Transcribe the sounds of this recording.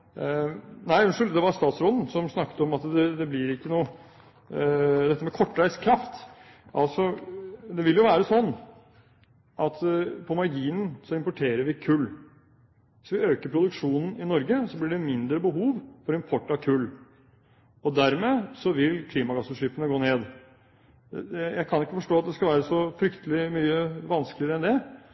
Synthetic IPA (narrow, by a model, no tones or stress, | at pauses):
næɪʉnʂʉld̪ɛʋɑɾst̪ɑːt̪sɾoːd̪n̩sɔmsnɑkːt̪əɔmɑt̪d̪ɛd̪ɛblɪɾɪkːənuː | d̪ɛt̪ːəmɛkʰɔʈːɾæɪskʰɾɑft̪ | ʔɑlsɔd̪ɛʋɪljʊʋæːɾəsɔnː | ʔɑt̪pʰɔmɑɾɡiːnən̩sɔɪmpɔʈʰeːɾəɾʋɪkʰʉlː | ʋɪsʋɪøːkəɾpʰɾʊd̪ʉkʂuːnn̩ɪnɔɾɡəsɔblɪɖɛmɪnd̪ɾəbəɦuːʋfɔɾɪmpʰɔʈːɑʋkʰʉlː | ɔd̪æɾmɛsɔʋɪlkʰliːmɑɡɑsəʂiːpənəɡoːneːd̪ | ɛjæɪkʰɑnɪkːəfɔʂʈoːɑt̪̚d̪ɛskɑʋæːɾəsɔfɾʏkt̪əlɪmyːəʋɑnsklɪəɾəɛnd̪ɛ